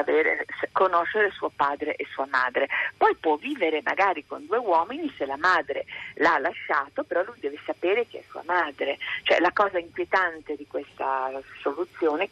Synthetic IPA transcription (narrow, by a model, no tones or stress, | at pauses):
aveːɾḛskonoʃeɾesuːopaːd̪ɾeʔesuːamaːd̪ɾepɔjpwɔvːiːveɾema̰ɡaːɾikond̪uewɔːminiselamaːd̪ɾḛlalːaʃːaːt̪opeɾɔlujd̪ɛːvesapeːɾek̟eɛ̰sṵa̰maːd̪ɾet͡ʃoɛ̰lakɔːzaiŋkwjet̪ant̪ed̪ikwest̪a̰solut̪sːjoːne